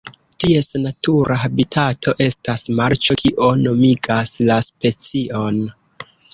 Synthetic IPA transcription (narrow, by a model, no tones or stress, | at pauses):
tie̞snatuɾʔaɦabitʰatʰo̞ʔe̞stasmaɾt͡ʃo̞kʰiʔo̞no̞miɡaslaspe̞t͡sio̞n